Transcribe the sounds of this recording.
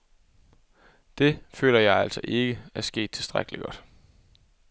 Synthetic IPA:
d̥e̝fø̰ːlɐjɑ̈ɪæl̰sɒʔe̝ɡ̥əæɐsɡ̥e̝̰ːd̥̚t͡sʰe̝sd̥ʁaɡ̥əliɡ̥ɒ̽d̥

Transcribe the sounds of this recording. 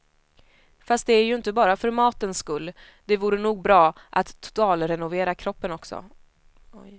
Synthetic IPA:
fast̪̚d̪ɛæɾjɵɪnt̪əbɑːɾafœɾmɑːt̪ənskɵlː | d̪̥ɛvuːɾənuːɡ̚bɾɑːʔat̪ʰːʊ̥t̪ɑːlɾɛnʊveːɾakʰɾɔpːənɔksɔ̰

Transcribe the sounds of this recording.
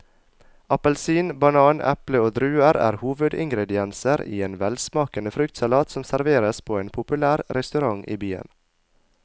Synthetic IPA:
ɑpəlsiːnbɑnɑːnɛ̰pləoːd̪ɾʉːəɾæ̰ːɾhuːʋʉd̪ɪ̰ŋɡɾɛd̪ɪɛnsəɾḭːeːnʋɛlsmɑːkənəfɾʏkt̪sɑlɑːt̪sɔmsæɾʋeːɾəspʰoːeːnpʰʊpʉlæːɾɾɛst̪ʉɾɑŋʔḭːbyːə̰n

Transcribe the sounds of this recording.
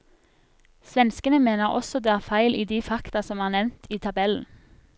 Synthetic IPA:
sʋɛnskənəmeːnəʁɔ̰sɔd̪eːæːʁfæɪlʔiːd̪iːfɑkt̪ɑsɔmɑːnɛʋnt̪ʰiːt̪ʰɑbɛln̩

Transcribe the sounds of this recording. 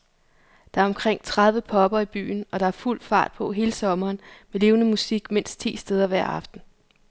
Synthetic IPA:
d̥ɑ̈æɐɒ̽mkʰʁeŋ̰t͡sʰʁɑð̞ˠʋəpʰɒ̽b̥ɐib̥y̰ːn̩ɒ̽ɾ̥ɑ̈æɐful̰fɑ̰̈ːd̥̚pʰɒ̽ɦe̝ːləsɒ̽mɐːnmele̝ːʊnəmusiɡ̥men̰sd̥t͡sʰḭːsd̥eð̞ˠɐʋæɐ̰ɑ̈fd̥n̩

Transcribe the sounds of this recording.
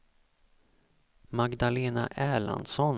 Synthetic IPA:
maɡd̪aleːna̰ʔæːɭa̰nd̪sɔn

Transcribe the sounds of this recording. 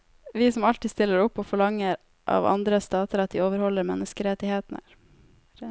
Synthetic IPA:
ʋɪsɔmɑlt̪ɪst̪ɪlːəɾɔpːoːfɔɭɑŋːəɾ | ʔɑ̰ːʋɑ̰nd̪ɾəst̪ɑːt̪əɾɑt̪̚d̪iːoːʋəɾhɔlːəɾmɛnːəskəɾɛt̪ːɪheːt̪nə̰ɾ

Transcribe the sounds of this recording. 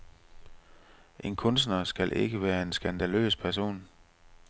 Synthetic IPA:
ʔe̝nkʰɔ̽ns̬d̥nɐsɡ̥ælʔe̝ɡ̥əʋæːɐe̝nsɡ̥ænd̥ælø̰ːspʰæɐso̝̰ːn

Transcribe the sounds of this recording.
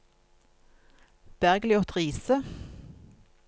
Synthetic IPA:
b̥æʁɡlɪɔt̪ʰʁiːsə

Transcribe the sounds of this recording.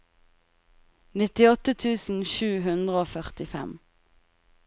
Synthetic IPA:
nɪt̪ɪɔt̪ət̪ʰʉːsn̩ʃʉːɦʉnd̪ʁəoːfœʁt̪ɪfɛ̰m

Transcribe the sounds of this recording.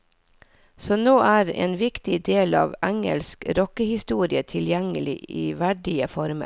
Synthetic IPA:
sɔːnoːʔæːɾḛːnʋɪkt̪ɪd̪eːlɑ̰ːʋæŋə̰lskɾɔkəhɪst̪uːɾɪət̪ʰɪljɛŋəlɪ̰iːʋæɖɪəfɔɾmə̰

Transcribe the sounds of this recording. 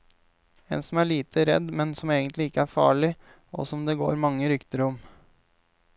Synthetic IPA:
ḛːnsɔmæːɭiːt̪ʰəɾɛ̰d̪mɛnsɔmeːɡənt̪lɪɪkːəæːɾfɑ̰ːɭɪ | ɔ̰sɔmd̪eːɡo̰ːɾmɑŋːəɾʏkt̪əɾɔm

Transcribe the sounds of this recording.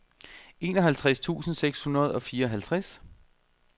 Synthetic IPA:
e̝̰ːnɒ̽ɦælt͡sʰʁast͡sʰṵːsn̩seɡ̥shunɐð̞̩ˠɒ̽fiːɐɒ̽ɦælt͡sʰʁas

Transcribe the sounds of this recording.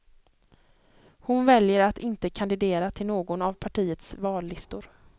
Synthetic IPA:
hʊnvɛljəɾat̪ɪnt̪əkʰand̪ɪd̪eːɾat̪ʰɪlnoːɡɔnavpʰaʈʰiːət̪svɑːlːɪst̪ʊɾ

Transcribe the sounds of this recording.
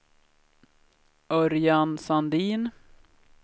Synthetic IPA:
ʔœɾjansand̪iːn

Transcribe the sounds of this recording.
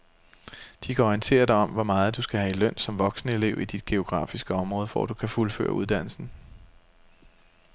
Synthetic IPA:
d̥ikʰæɒint͡sʰe̝̰ːɐd̥ɑ̈ɪɒ̽mʋɒmɑ̈ːð̞̩ˠd̥usɡ̥æɦæilœn̰sɒ̽mʋɒ̽ɡ̥sənəe̝le̝ʊid̥id̥̚ɡ̥e̝o̝ɡ̥ʁɑ̰̈ːfisɡ̥əɒ̽mʁɔ̽ːð̞ˠfɒ̰d̥ukʰæfulfø̰ːɐʔuðˠd̥æn̰l̩sn̩

